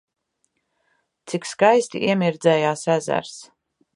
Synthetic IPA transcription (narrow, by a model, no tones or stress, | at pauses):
t̪sikskajst̪ḭʔḭɛmiɾd̪zɛjaːsæzæ̰ɾs